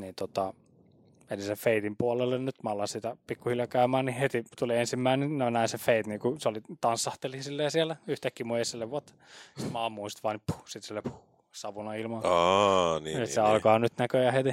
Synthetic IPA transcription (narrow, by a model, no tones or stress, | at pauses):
niːnt̪ot̪ɑ | melisefeit̪impuolelːennyt̪mæɑlːɑnsit̪æpikːuhiljɑkæymæːnnihet̪it̪uliensimːæininænæinsefeit̪niːkuseolit̪ɑnsːɑht̪elisilːeːsiɛlːæyht̪ækːimuesːilːeʋʋuot̪ː | si̥t̪mæɑːmːuist̪ʋɑːnipu̥sit̪silːepu̥ | sɑʋunɑilmɑɑniet̪seɑlkɑɑnyt̪nækøjɑhet̪i